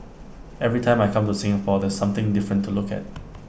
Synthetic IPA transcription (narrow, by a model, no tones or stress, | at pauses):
ɛvɹitʰãɪ̃majkʰãmtusɪ̃ŋəpɔdɛsːãmt̪ɪ̃ŋdɪfɹə̃ntʰːulʊkɛ̰t̚